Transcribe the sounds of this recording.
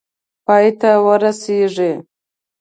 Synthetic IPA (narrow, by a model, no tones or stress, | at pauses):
pɑjt̪awəɾaseʐe